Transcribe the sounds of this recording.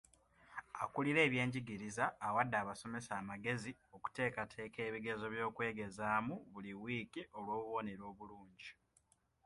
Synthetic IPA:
akuliɾe̞ːβje̞ːɲɟiɡiɾizaːwadːaːβaso̞me̞saːmaɡe̞zio̞ku̥te̞ːkatʰe̞ːke̞ːβiɡe̞zo̞βjo̞ːkwe̞ːɡe̞zaːmuβuliwiːkiʔo̞lwo̞ːβuβo̞ne̞ɾo̞ːβuluːɲɟi

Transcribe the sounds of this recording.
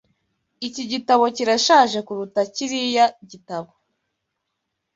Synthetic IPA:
iciɟitaβo̞ciɾaʃaːʒe̞kuɾutaciɾijaɟitaβo

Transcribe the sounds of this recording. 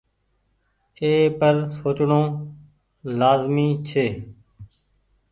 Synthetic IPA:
eːpəɾsoːt͡ʃɳõː | laːzmiːt͡ʃʰeː

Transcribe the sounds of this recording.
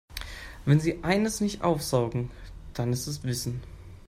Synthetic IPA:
vɛnziːʔaɪnəsnɪçtʔa̰ʊfz̥aʊɡŋ̩d̥anɪstɛsv̥ɪsn̩

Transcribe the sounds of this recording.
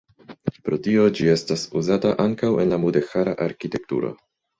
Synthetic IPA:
pɾo̞tio̞d͡ʒie̞stasuzataʔaŋkawe̞nlamude̞xaɾaʔaɾkite̞k̚tṵɾo̞̰

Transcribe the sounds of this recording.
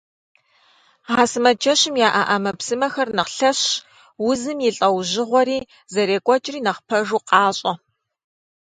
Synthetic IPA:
ʁaːsɨmɐd͡ʒɐɕɪmjaːʔa̰ʔɐmɐpsɨmɐxɐrnɨqɬɐɕ | wʊzɨmjɪɬʼɐwʒɪʁʷɔɾiː | zɐɾeːkʷʼɔt͡ʃʼɪriːnɐχpʰɐʒuːqʼɑːɕʼɐ

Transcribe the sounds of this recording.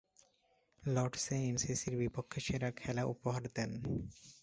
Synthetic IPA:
lɔɾɖseensisiɾbipokʰːeʃeɾakʰɛlaʔṵpoɦaɾd̪ɛn

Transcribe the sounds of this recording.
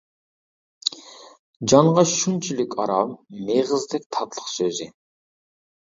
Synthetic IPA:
d͡ʒɑɴʁɑʃunt͡ʃʰylykʲʰɑɾɑmːeʁəzd̪ɛk̚ʲt̪ʰɑt̪lˠə̥qsøzɪ

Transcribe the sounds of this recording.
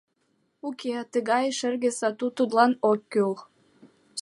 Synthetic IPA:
ukeɑt̪əɣɑjʃə̆rɣĕsɑt̪ut̪ud̪lɑnokʲːøl

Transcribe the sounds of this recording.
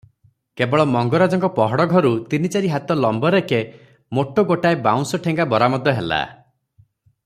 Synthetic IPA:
kebɔɭɔmɔŋɡɔɾad͡ʒɔŋkɔpɔɦɔɽɔɡʱɔɾut̪init͡ʃaɾiɦat̪ɔlɔmbɔɾeke | moʈoɡoʈaebaw̃nsɔʈʰeŋɡabɔɾamɔd̪ɔɦela̰

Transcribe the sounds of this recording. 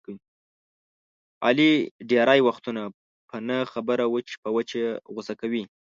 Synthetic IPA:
ɑ̰liɖeɾajwaxt̪una | pʰənəxabəɾawət͡ʃpəwət͡ʃeɣʊsakawi

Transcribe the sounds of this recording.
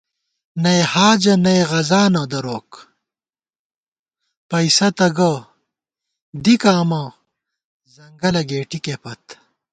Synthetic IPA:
nɐjhaːd͡ʑɐnɐeʁɐzaːnɐd̪ɐɾoːk | pɐisɐt̪ɐɡɐ | d̪ikaːmɐ | zɐŋɡɐlɐɡeːʈikepɐt̪

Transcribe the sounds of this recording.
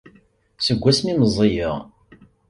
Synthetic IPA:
səɡʷːæsmiməzˤejəʁ

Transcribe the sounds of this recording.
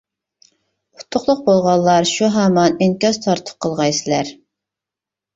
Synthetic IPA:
qʰʊ̥t̪ʰːʊqlˠʊq̚bolˠʁɑlːˠɑɾʃuɦɑːmɑnɪŋkʲɑzt̪ʰɑɾt̪ʰə̥p̚qʰəlˠʁɑjsɪlæɾ

